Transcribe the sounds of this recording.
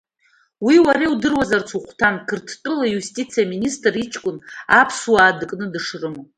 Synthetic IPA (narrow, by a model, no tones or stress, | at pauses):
wiwaɾeudɨrwazart͡sʰuχʷtʰankʰɨrtʰtʼɨlajustʼit͡sʰijaministʼrit͡ʃʰʼkʷʼʊnapʰswaːdɨkʼnɨdɨʂrɨmo